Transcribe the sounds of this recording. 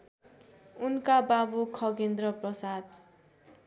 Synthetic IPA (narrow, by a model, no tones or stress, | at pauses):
unkababukʰʌɡend̪ɾʌprʌsad̪